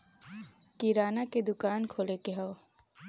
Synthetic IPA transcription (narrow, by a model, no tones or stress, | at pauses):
kiɾaːnaked̪ʊkaːnkʰoːlekeɦɐo